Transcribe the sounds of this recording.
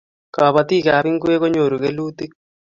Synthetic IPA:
ka˨βa˨t̪i˦ka˨˦βi˦ŋɡwe˦ko˦ɲo˨ɾu˨ke˦lu˦t̪i˦k̚

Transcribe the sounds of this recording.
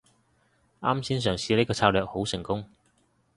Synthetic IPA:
aː˥msiː˥ns̬œː˨˩ŋsiː˨˧le˥kɔː˧t͡sʰaː˧wlœː˨k̚ho˨˥wsɪ˨˩ŋkʊ˥ŋ

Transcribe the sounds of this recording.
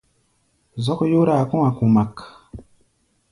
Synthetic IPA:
zɔ˦kju˦ɾa˦˨ku˦wa˨ku˨ma˨k

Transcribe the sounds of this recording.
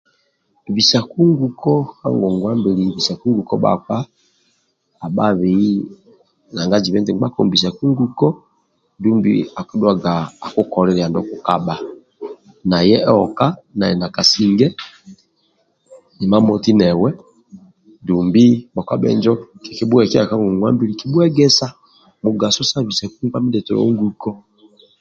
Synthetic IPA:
vi˨sa˨ku˦ŋɡu˨kɔ˦ha̰˦ŋɡɔ˨ŋɡwa˦mbɛ˨li˨βi˨sa˨ku˦ŋɡu˨kɔ˦ɓa̰˨kwa˦˨ | ɓa˦βi˨˦i˦ | na˨ŋɡa˦d͡ʒi˨βɛ˦ntɛ˨ŋ˦ɡ͡ba˦kɔ˨m˨bi˨sa˨ku˦ŋɡu˦kɔ˦ | ndu˦mbḭ˦a˨kɛ˦ɗwa˦ɡaː˨ku˦kɔ˨ɾɛ˨ɾɛ˨a˨ndɔ˦ku˨ka˦˨ɓa˨ | na˨jɛ˦ʔɔ˨ka˦na˨jɛ̰˨na˨ka˨si˨ŋɡɛ˦ | ni˨ma˦mɔ˨ti˦nɛ˨wɛ˦ | ndu˨mbi˦ɓa˨kwa˦ɓɛ̰˨nd͡ʒɔ˦ki˨ki˨ɓu˦ɛ˨kɛ˦a˨ka˦ŋɡu˨ŋwa˦mbi˦ɾi˨ki˨ɓu˦ɛ˦ɡɛ˦sa˦ | mu˨ɡa˨sɔ˦sa˦βi˨sɛ˨ku˦ba˦mi˦ɗɛ˨tɔ˨lɔ̰˦u˦ŋɡu˨kɔ˦

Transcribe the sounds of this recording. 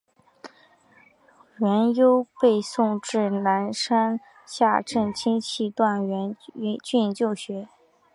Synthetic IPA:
ɥɛ˧˥njo˥ʊpe˥˧ɪsʊ˥˧ŋʈ͡ʂɻ̩˥˩na˧˥nʂa˥n | ɕja˥˧ʈ͡ʂɤ˥˩ŋt͡ɕʰi˥ŋt͡ɕʰi˥˧t̪wa˥˩nɥɛ˧˥n˧t͡ɕy˥˩˧t͡ɕjo˥˩ʊɕɥɛ˧˥

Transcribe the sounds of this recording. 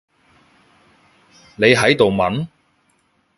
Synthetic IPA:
ne˨˧jɦɐ˨˥jt̪o˨wmɐ˨˥n

